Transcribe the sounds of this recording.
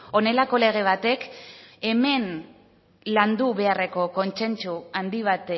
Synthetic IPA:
o̞ne̞lako̞le̞ɣ̞e̞β̞at̪e̞ke̞me̞n | land̪uβe̞are̞ko̞ko̞nt͡se̞nt͡suand̪iβ̞at̪e

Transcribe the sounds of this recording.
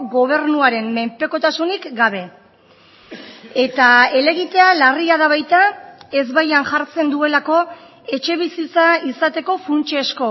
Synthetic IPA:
ɣo̞β̞e̞ɾnuaɾe̞mme̞mpe̞ko̞t̪asunikɡaβ̞e̞ | e̞t̪aele̞ɣit̪e̞alariaðaβajt̪ae̞zβajanʝaɾt͡se̞nd̪ue̞lako̞ | e̞t͡ʃe̞β̞isit͡saisat̪e̞ko̞funt͡ʃesko̞

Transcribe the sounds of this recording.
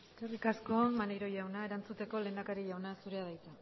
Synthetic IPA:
eskerikasko̞nmanejɾo̞jawnae̞ɾant͡sut̪e̞ko̞le̞ːnd̪akaɾiʝawnasuɾe̞aðajt͡sa

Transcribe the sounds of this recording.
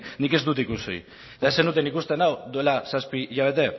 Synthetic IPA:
nike̞zd̪ut̪ikuso̰j | t̪aesenut̪e̞nikust̪e̞nawd̪ue̞lasaspiʝaβ̞e̞t̪e̞

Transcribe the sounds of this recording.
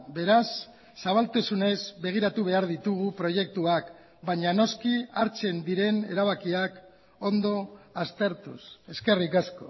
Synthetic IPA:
be̞ɾasː | aβ̞alt̪esune̞zβe̞ɣ̞iɾat̪uβ̞e̞aɾðit̪uɣ̞upɾo̞je̞k̚t̪uak | baɲano̞skiaɾt͡se̞nd̪iɾe̞ne̞ɾaβ̞akiak | o̞nd̪o̞ast̪e̞ɾt̪use̞ske̞rikasko̞̰

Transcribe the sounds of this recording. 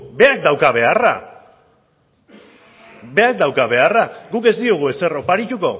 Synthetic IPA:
be̞ak̚d̪awkaβ̞e̞ara̰ | be̞ak̚d̪awkaβ̞e̞araɣuke̞zd̪ioɣ̞ue̞se̞ro̞paɾit̪uko̞

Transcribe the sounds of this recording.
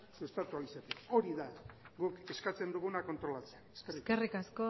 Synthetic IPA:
suest̪at̪ualisat̪eko̞ɾiðaɡuke̞skat͡se̞nd̪uɣunako̞nt̪ɾo̞lat͡seaneskersikerikasko

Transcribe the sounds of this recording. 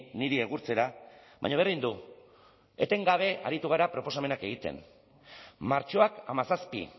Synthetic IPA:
niɾieɣuɾt͡se̞ɾaβa̰ɲaβ̞erind̪u | e̞t̪e̞ŋɡaβ̞e̞ʔa̰ɾit̪uɣ̞aɾapɾo̞po̞same̞nake̞ɣ̞it̪e̞̰n | maɾt͡ʃo̞akamasaspḭ

